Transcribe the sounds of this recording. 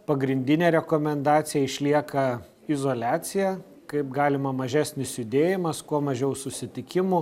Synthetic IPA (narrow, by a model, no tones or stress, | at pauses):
pɐɡɾʲɪnʲd̪ʲɪnʲeːɾʲɛkoːmʲɛnd̪ɑːt̪sʲɪjɛɪʃʲlʲiɛkɐ | ɪzoːlʲæːt̪sʲɪjæ | kɐɪp̚ɡɑːlʲɪmɐmɐʒʲæːsʲnʲɪsjʊd̪ʲeːjɪmɐskuɔmɐʒʲɛʊsʊsʲɪt̪ʲɪkʲɪmʊ